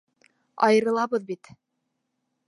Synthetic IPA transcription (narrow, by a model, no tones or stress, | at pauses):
ɑ̰jɤ̆ɾɤ̆lˠɑβɤðbit̪